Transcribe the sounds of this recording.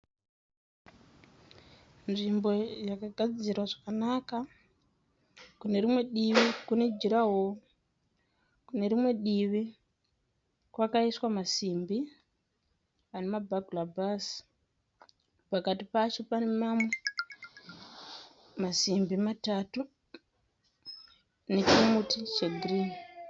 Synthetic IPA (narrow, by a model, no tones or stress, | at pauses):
nʐimbo̞jakaɡʱad͡zirwaʐakanaka | kune̞ɾimwe̞ɗiʋikune̞d͡ʒiɾaɦo | kune̞ɾimwe̞ɗiʋi | kwakaiswamasimbi | anemabʱaɡulabas | pakatipat͡ʃo̞panemamwe | masimbimatatu | ne̞t͡ʃimutit͡ʃeɡʱirini